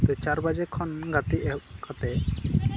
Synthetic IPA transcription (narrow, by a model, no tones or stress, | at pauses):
t̪ɛt͡ʃaɾbad͡ʒɛkʰɔnɡat̪iɛkʰat̪ɛ